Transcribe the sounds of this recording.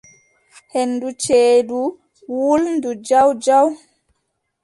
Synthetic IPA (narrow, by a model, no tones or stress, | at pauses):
henːdut͡ʃeːdu | wulndud͡ʒawd͡ʒaw